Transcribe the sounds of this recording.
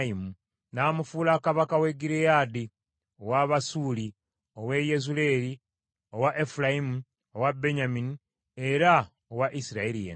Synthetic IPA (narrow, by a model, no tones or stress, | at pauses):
imu | naːmufuːlakaβakawe̞ɡiɾejadi | owaβasuːli | o̞we̞je̞zule̞ːɾi | o̞waʔefulajimu | owabe̞ɲamini | e̞ɾa | owaʔisiɾaelijḛ